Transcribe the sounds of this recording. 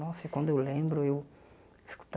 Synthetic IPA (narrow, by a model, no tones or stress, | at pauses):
ɔsikwɐ̃nd̪ʊewlẽbɾʊew | isku̥t̪